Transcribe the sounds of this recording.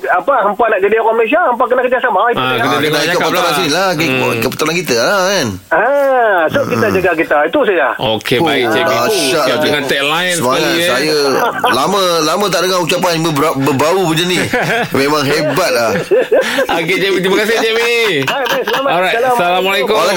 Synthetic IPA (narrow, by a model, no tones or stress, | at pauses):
apahəmpanaʔɡədiakɔməles̬iaəmpak̬ənaʔkəd͡ʒasamaitːkdənaikaʔpət̪aɾansinilakkəpə̥t̪aɾankit̪əlakan | asoʔkit̪ad͡ʒəɡak̬it̪ait̪us̬əjaokebaid͡ʒeaʃaʔadəŋant̪ɛklansəmaŋasajəlamə̃lamə̃t̪aʔdəŋaut͡ʃap̬anbəbabəbaupuɲd͡ʒənimẽmãŋɦebat̪̚la | aket͡ʃemit̪imakasɪd͡ʒemibajbajsəlamaɔaalasalamalekoala